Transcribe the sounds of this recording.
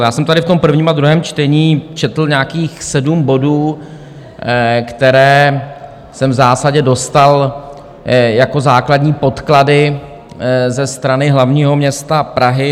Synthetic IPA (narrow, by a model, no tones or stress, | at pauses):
jaːsɛmt̪adɪft̪ompr̩vɲiːmad̪ɾuɦɛːmt͡ʃt̪ɛɲiːt͡ʃɛt̪l̩ɲeaakiːxsɛdumbo̞duː | kt̪ɛɾɛː | sɛmvzaːsaɟɛdo̞st̪al | jako̞zaːkladɲiːpo̞t̪kladɪ | zɛst̪ɾanɪɦlavɲiːɦo̞mɲɛst̪apɾaɦɪ